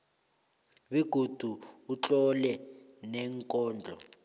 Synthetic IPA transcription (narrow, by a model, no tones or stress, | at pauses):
ɓiɡ̥ʱud̥ʱuut͡ɬʼɔlɛ | nɛŋkʼɔːnd͡ɮʱɔ̰